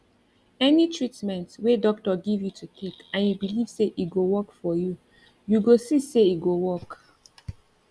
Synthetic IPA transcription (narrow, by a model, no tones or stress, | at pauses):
ɛnitʰɹitmɛ̃ntwedɔk̚tɔɡivjutʰutʰekãnjubiliv̥seʔitɡowɔkfɔju | juɡosiseiɡowɔk